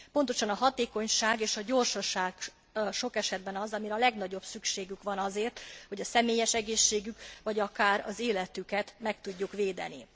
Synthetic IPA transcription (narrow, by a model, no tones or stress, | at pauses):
po̞nt̪o̞ʃɒnɒɦɒt̪eːko̞ɲʃaːɡeːʃɒɟo̞rʃɒʃaːɡ | ʃo̞kɛʃɛd̪̚bɛnɒzɒmiɾɒlɛɡnɒɟo̞bsykʃeːɡykʋɒnɒzeːrt̪ho̞ɟɒsɛmeːjɛʃɛɡeːʃːeːɡykʋɒɟɒkaːɾɒ̰zeːlɛt̪ykɛt̪mɛkt̪uɟːukʋeːd̪ɛ̰nḭ